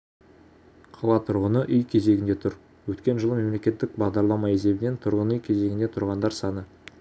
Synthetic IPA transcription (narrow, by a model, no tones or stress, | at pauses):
qʰɑlˠɑt̪ʰʊɾʁənəʔʏjkʲʰe̞ze̞ɡʲɪnd̪e̞t̪ʰʊɾ | wɵt̪kʲe̞nʒəlˠəme̞mle̞kʲe̞t̪ːɪk̚bɑʁd̪ɑɾlˠɑmɑe̞s̬e̞bɪne̞nt̪ʰʊɾʁənʏjkʲʰe̞ze̞ɡʲɪnd̪et̪ʰʊɾʁɑnd̪ɑɾsɑnə